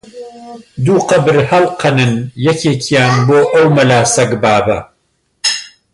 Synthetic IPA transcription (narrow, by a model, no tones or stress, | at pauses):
d̪uːqɐbɨɾhɐlˠqʰɐnɨnjɐkʰeːkʰijaːnboːʔɐwmɐlaːsɐɡbaːbɐ